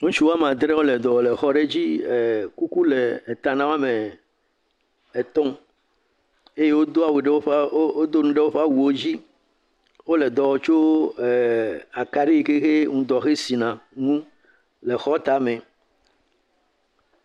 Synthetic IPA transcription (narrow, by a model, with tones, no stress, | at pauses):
ŋũ˦t͡ʃu˨˦wo˦a˦mã˨d̪ɾɛ˦wo˦lɛ˨d̪ɔ˨le˨xɔ˦ɖe˦d͡ʑi˦˨ku˦ku˦leː˨t̪ã˨nã˦wa˦mẽ˨ | e˨t̪ɔ̃˦ | e˦je˦wo˦d̪o˦a˨we˨ɖe˦wo˦o˦d̪o˦nũ˦ɖe˦wo˦ɸe˦a˦wu˨o˦d͡ʑi˦ | wo˦le˨d̪ɔ˨wɔ˨t͡ʃo˦˨ | a˨ka˨ɖi˦i˨ke˦xe˦ŋũ˨d̪ɔ˨xe˦si˨nã˨ŋũ˦ | le˨xɔ˦t̪a˨mẽ˨